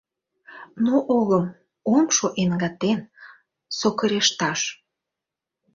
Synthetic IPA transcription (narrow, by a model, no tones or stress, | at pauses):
noʔoləm | omʃoʔenɡɑt̪en | sokəɾeʃt̪ɑʃ